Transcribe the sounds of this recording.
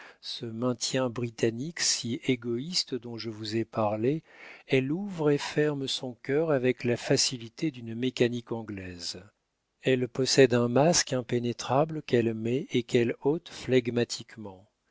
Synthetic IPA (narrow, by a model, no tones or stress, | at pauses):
səmɛ̃t̪jɛ̃bʁit̪aniksieɡɔist̪d̪ɔ̃ʒəvuzɛpaʁleɛluvʁefɛʁmsɔ̃kʲœʁavɛklafasilit̪ed̪ynmekanikɑ̃ɡlɛz | ɛlpɔsɛd̪ɛ̃maskɛ̃penet̪χabləkɛlmɛekɛlot̪flaɡmat̪ʰikmɑ̃